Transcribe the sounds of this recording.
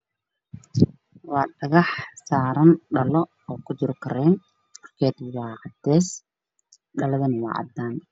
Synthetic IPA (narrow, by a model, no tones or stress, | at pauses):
wɑːɖɐɣɑħsaːɾɐnɖɐlɔ | ɔːkʰʊd͡ʒɪɾkʰɐɾɛːn | mɐrkʰɛːd̪wɑːʕɑd̪ɛːs | ɖɐlɐðɐnɐwɑ̰ːʕɑ̰d̪aːn